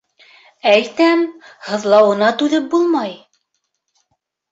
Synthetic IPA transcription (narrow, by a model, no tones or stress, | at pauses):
æjt̪æmhɤ̆ðlˠɑwɤ̆nɑt̪ʉðɘp̚bulˠmɑj